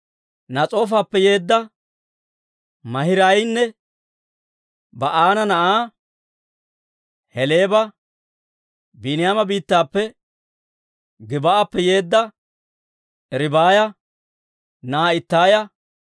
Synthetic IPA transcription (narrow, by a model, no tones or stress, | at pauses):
nɐt͡sʼo̞ːf̬aːpːɛje̞ːd̪ːɐ | mɐhɪɾɐjnːɛ | bɐʔaːnɐnɐʔaː | hɛleːbɐ | binɪjaːmɐbiːt̪ːaːpːɛ | ɡɪbɐapːɛje̞ːd̪ːɐ | ɛɾɪbaːjɐ | naːɪt̪ːaːjɐ